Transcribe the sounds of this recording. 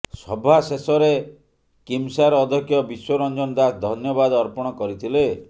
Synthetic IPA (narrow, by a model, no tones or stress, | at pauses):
sɔbʱasesɔɾe | kimsaɾɔːd̪ʱɔkʰjɔbiswɔɾɔnd͡ʒɔnɔd̪asd̪ʱɔnjɔbad̪ɔɾpɔɽ̃ɔkɔɾit̪ʰile